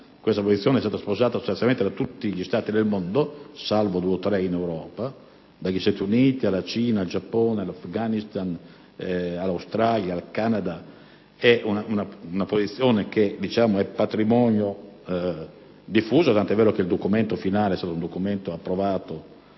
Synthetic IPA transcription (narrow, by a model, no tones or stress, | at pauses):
kwest̪apozit̪sːjɔːneɛst̪aːt̪aspozaːt̪aso̥st̪anjalmened̪at̪ːut̪ːiʎist̪aːt̪id̪elmond̪osalvod̪uːeot̪ːɾɛinɛwɾɔːpa | d̪aʎist̪at̪iuniːt̪ialat͡ʃiːnaald͡ʒapːɔːnealafɡanist̪an | alːawst̪ɾaljaːlkanad̪a | ɛunaunaunapozit̪sːjɔːnek̟ed̪it͡ʃaːmoɛpːat̪ɾimɔːnjo | d̪ifːuːzat̪ant̪ɛvːɛːɾokeild̪okumɛnt̪ofinaːleɛst̪aːt̪ound̪okumɛnt̪oapːɾovaːt̪o